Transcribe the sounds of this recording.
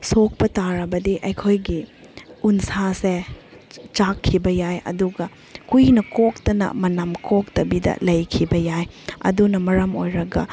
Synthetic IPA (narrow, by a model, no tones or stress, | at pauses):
sok̚pɐtaɾɐbɐdiʔɐjkʰojɡi | unsase | t͡ʃakʰːibɐjajɐ̰duɡɐ | kujnɐkok̚tɐnɐ̰mɐnɐmkʰok̚tɐbidɐ̰lɐjkʰibɐjajɐ̰dunɐmɐɾɐmo̰jɾɐɡɐ̰